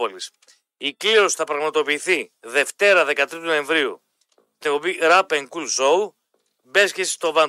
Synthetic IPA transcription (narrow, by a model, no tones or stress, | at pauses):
olis | ikliosi̥θɐpɾɐɣmɐt̪o̞piːθiðe̞ft̪e̞ɾɐðe̞kɐt̪ɾit̪uno̞ẽ̞ɱvɾiu | t̪eopiɾɐpeŋkulso̞u | be̞scesst̪o̞vɐ